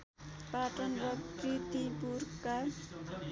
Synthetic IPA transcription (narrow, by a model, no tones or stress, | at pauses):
paʈʌnrʌprit̪ipurka